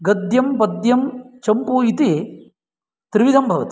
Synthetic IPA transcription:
ɡɐd̪jɐmpɐd̪jɐmt͡ʃɐmpuit̪e | t̪ɾiʋid̪ʱɐmbʱɐʋɐt̪i̥

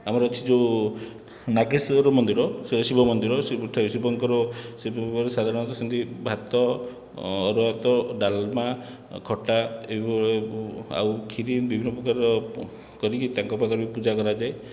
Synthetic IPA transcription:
amɔɾɔːt͡ʃʰid͡ʒe | nakisɾɔmɔnd̪iɾɔsesibʱɔmɔnd̪iɾɔsʈʰɔsibɔŋkɔɾɔsepɔɾesad̪ʱaɾɔɽ̃nɔnt̪ɔsɔnt̪ibʱat̪ɔː | ɾɔat̪ɔɖalma | kʰɔʈaebipɔea̰wkʰiɾinbibʱinːɔpɾɔkaɾɔ | kɔɾikit̪aŋkɔpakɔɾibipud͡ʒakɔɾad͡ʒae

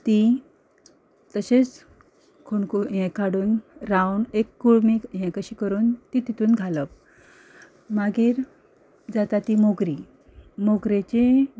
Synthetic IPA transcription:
t̪i | t̪əɕet͡s | kʰoɳkuɦɛ̃kʰaɽuːnɾawnekːuɭmiɦɛ̃kəɕiːkəɾuːnt̪it̪it̪uːnɡʱaləp | maɡiːɾ | d͡zat̪at̪imoɡɾi | moɡɾet͡ɕe

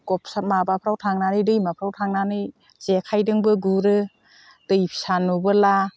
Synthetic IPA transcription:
ɡɔpʰsamabapʰɾawtʰaŋnanɯjdɯjmapʰɾawtʰaŋnanɯj | zekʰajdɯŋbɯɡuɾɯ | d̥ɯjpʰi̥sanubɯla

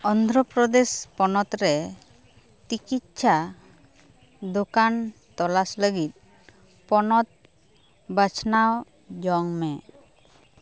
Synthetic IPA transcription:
ɔnd̪ʱɾɔpɾɔd̪espɔnɔt̪ɾɛ | t͡ʃikit̪̚t͡ʃʰa | d̪okant̪ɔlasləɡit̪̚ | pɔnɔt̪̚ | bət͡ʃʰnaw | d͡ʒɔŋmɛ

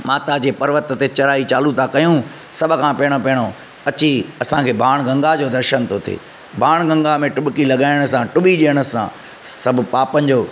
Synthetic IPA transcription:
maːt̪ad͡ʑeːpɐɾʋət̪t̪et͡ɕɐɾaːit͡ɕaːlut̪ʰakɐjũ | sɐbʱʊ̆kʰãːpɪəɽ̃opɛəɽ̃o | ɐt͡ɕiɐsãkʰeːbʱaːɽ̃ɡɐ̃ŋɡad͡ʑoːd̪ɐɾʃənt̪ʰot̪ʰḛː | bʱaːɽ̃ɡɐ̃ŋɡamẽʈʊbkilɐɠaːɪɽ̃ʊ̆sãʈʊɓiɗiːəɽ̃əsã̰ | sɐbʱʊ̆paːpənɪ̆d͡ʑoː

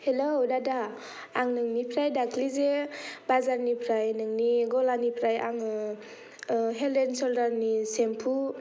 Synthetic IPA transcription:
helowdadaː | ŋnɯŋnipʰɾajdakʰlizebazaɾnipʰɾajnɯŋniɡɔlanipʰɾajaŋɯ | ɦelensɔldaɾnisempʰu

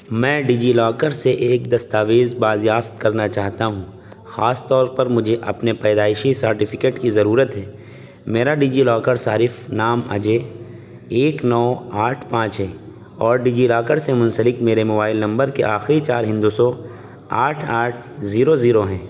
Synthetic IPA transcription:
mɛ̃ːɖiːd͡ʒilɔːkəɾseʔeːk̚d̪ɐst̪aːʋeːzbaːzjaːft̪kɐɾnat͡ʃaːɦt̪aɦũ | xaːst̪ɔːɾpɐɾmʊd͡ʒʱeʔɐ̰pnepɛːd̪aːɪʃisɐɾʈɪfʰɪkeːʈkizɐɾuːɾət̪ɦɛː | meːɾaɖiːd͡ʒilɔːkəɾsaːɾɪfnaːma̰d͡ʒe | eːknɔːaːʈʰpãːt͡ʃɦɛ̃ː | ɔːɾɖiːd͡ʒilɔːkəɾsemʊ̃nsəlɪkmeːɾemʊbaːɪlnɐ̃mbəɾkeʔaːxɾit͡ʃaːɾɦɪ̃nd̪usɔ | aːʈʰaːʈʰziːɾoziːɾoɦɛ̃ː

